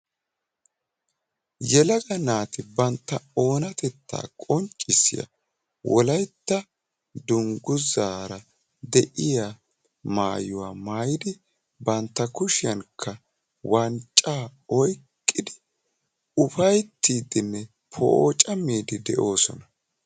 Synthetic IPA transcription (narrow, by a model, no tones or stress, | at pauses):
jɛlɐɡɐnaːt̪ɪbɐnt̪ːɐo̞ːnɐt̪ɛt̪ːa̰ːkʼɔnt͡ʃʼːɪsːɪ̰jɐ̰ | wɔlɐjt̪ːɐ | d̪ʊŋɡʊzaːɾɐ | d̪ɛʔɪja | maːjʊwa̰ːmaːjɪd̪ɪ | bɐnt̪ːɐkʊʃɪjɐŋkʰːɐ | wɐnt͡ʃʼːaːɔjkʼːɪd̪ɪ | ʊfɐjt̪ːiːd̪ɪnːɛ | pʰɔ̰ːt͡ʃʼɐmiːd̪ɪd̪ɛʔo̞ːsɔnɐ